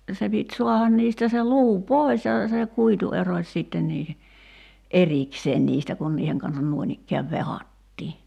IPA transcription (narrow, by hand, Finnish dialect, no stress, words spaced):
se pit suɑhɑn niːstæ se luː poi̞s jɑ se kuitu erosʲ siˑtːen niːhe ʔerikseːn niːstæ kun niːheŋ kɑnsɑn nuoĭnikːeæʋ ʋehɑtʲtiː